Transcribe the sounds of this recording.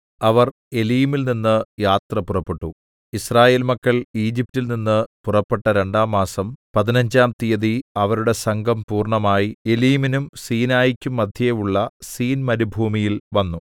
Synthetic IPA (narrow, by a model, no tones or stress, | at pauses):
ɐʋɐr | e̞lijimilninːɨjaːt̪rɐpurɐpːe̞ʈːu | israːje̞ːlmɐkːɐɭiːd͡ʑip̚tːilninːɨpurɐpːe̞ʈːɐɾe̞ɳɖaːmːaːsɐmpɐðinɐɲd͡ʑaːmt̪ijɐðiɐʋɐɾuɽe̞sɐŋɡʱɐmpuːrɳɐmaːjie̞lijiminumsiːnaːjikʲːumːɐd̪ʱjɐejuɭːɐsiːnmɐɾubʱuːmijilʋɐnːu